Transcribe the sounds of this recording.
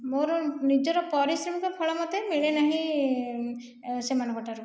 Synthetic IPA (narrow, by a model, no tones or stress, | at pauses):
moɾnid͡ʒɔɾɔpɔɾisɾemikɔpʰɔɭɔmɔt̪emiɭenaɦĩ | semanɔɡɔʈʰaɾu